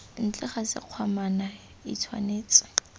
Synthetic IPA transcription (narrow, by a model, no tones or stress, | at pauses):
n̩t͡ɬʼɪχasɪ̰q͡χʰwamana | ḭtʰwa̰neːt͡sʼɪ̥